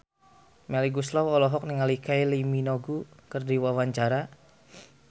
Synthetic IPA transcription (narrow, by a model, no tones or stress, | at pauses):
mɛliɡuslawɔlɔɦɔk̚niŋalikailiminɔɡukərdiwawaɲt͡ʃaɾa